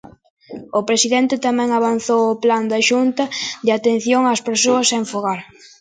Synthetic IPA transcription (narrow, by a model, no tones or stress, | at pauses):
ʊpɾesiðɛnt̪ɪt̪amɛ̃ŋaβ̞anθowʊpland̪aʃunt̪ɐd̪ɪat̪en̟θjoŋaːspeɾsoɐsːeɱfoɣaɾ